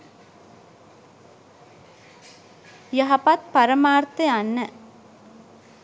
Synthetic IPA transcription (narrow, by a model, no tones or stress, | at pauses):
jɐɦɐpat̪̚pɐɾɐmaːɾt̪ɐjɐnːɐ